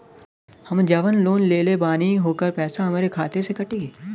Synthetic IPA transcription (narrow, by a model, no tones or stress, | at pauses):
hɐmd͡ʒɐʋənloːnleːlebaːniɦoːkəɾpɛːsaɦɐmaːɾekʰaːt̪esekɐʈi